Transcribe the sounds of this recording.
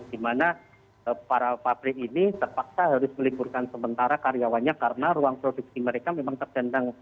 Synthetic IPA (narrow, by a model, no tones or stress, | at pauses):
d̥imana | paɾapab̥ɾɪʔinit̪ərpak̚saɦaɾʊsməliburkansəmənt̪aɾakarijawanɲakaɾənaɾuaŋpɾoduk̚siməɾekamemaŋt̪ərd͡ʒandaŋ